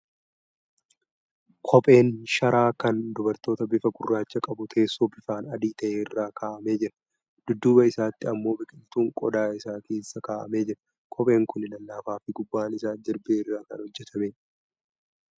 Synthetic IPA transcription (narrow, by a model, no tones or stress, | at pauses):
kʰɔpʼe̞ːnʃɐɾaːkɐnd̪ʊbɐɾt̪o̞ːt̪ɐbɪfɐɡʊrːaːt͡ʃːɐkʼɐbʊt̪ʰe̞ːsːoːbɪfaːnɐd̪iːt̪ɐʔeːɪrːaːkʰaːʔɐme̞ːd͡ʒɪɾɐ̥ | d̪̥ʊd̪ːuːbɐɪsaːt̪ːɪɐmːo̞ːbɪkʼɪnɪt̪uːŋkʼɔd̪aːɪsaːke̞ːsːɐkaːʔɐ̰me̞ːd͡ʒɪɾɐ̥ | kʰɔpʼe̞ːŋkʊnɪlɐlːaːfaːfɪɡʊbːaːnɪsaːd͡ʒɪɾbeːɪrːaːkɐ̰nhɔd͡ʒːɛt̪ʰɐmeː